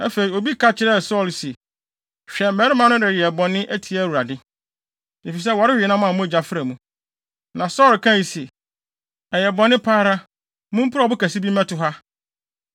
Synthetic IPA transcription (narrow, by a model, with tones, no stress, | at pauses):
æ˦fe˨ɾi˨o˨bi˦kʰa˦t͡ɕʰɪ˦ɾɛ˦˨sɔ˦˨lsɛ˨ | ɕᶣɛ˨m̩˨mɛ˨˦ɾɪ˦mã˦nʊ̃˦dɪ˨ɾɛ˨bɔ̃˨nːɪ̃˦ʔæ˦tʰi˨æ˨˦wu˨ɾa˨dɪ˦ | e˨fi˨s̬ɛ˦wɔ˨ɾɪ˦˨ɛ˨˦nã˦m˦ã˨mʊ̃˦˨d͡ʑa˨fɪ˦ɾæ˨mũ˦ | nã˨sɔ˦lkʰã˦˨ji˨sɛ˨ | ɛ˨jɛ˨bɔ̃˨nːɪ̃˦pʰaː˦ɾa˦ | mũ˦m̩˦pʰʊ˦ɾɔ˨bʊ˦kʰæ˨si˦bi˦mɛ̃˦tʊ˨ɦa˦